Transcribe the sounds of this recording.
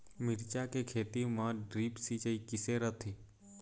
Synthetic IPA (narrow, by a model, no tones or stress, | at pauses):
mɪɾt͡ʃakekʰeːt̪imãɖɾiːpsit͡ʃəikɪseɾət̪ʰi